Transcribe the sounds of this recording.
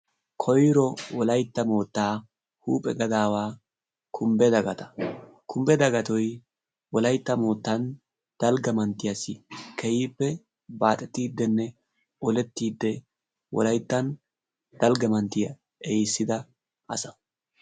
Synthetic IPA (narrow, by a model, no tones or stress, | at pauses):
kʰɔjɾɔwɔlɐjt̪ːɐmo̞ːt̪ːaː | huːpʼɛɡɐd̪aːwaː | kʰʊmbɛd̪ɐɡɐt̪ɐ̥ | kʰʊmbɛd̪ɐɡɐt̪ɔj | wɔlɐjt̪ːɐmo̞ːt̪ːɐn | d̪̥ɐlɡɐmɐnt̪ːɪjɐsɪkʰɛjiːpːɛ | baːt̪ʼɛt̪ːiːd̪ːɛnːɛ | ɔlɛt̪ːiːd̪ːɛ | wɔ̰lɐjt̪ːɐn | d̪̥ɐlɡɐmɐnt̪ːɪjɐ | ɛjsːɪd̪ɐ | ʔɐ̰sɐ̥